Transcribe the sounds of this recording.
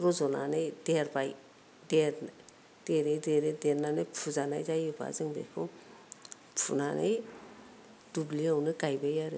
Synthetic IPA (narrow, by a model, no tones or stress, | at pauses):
ɾɔzɔna̰nɯjdeɾbaj | deɾn | d̥eɾejdeɾejdeɾnanɯjpʰuzanajzajɯba̰zɯŋbḛkʰɯw | pʰṵnana̰j | d̥ubliawnɯɡajbajaɾɯ